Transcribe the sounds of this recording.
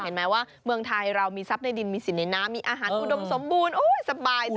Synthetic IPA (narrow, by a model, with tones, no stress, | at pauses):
e˨˩˦nmɛː˦˥waː˥˩ | mɯ˧əŋt̪ʰa˧jɾa˧wmiː˧sa˦˥p̚na˧jdi˧nmiː˧si˨˩na˧jnaː˦˥mːiː˧ʔaː˧ɦaː˩˦nʔu˧do˧mso˩˦mbuː˧nʔoː˧˥˩jsa˧baː˧j